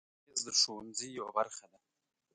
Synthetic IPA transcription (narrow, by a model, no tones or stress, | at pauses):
ɪzd̪əʂowanzijawabaɾxad̪a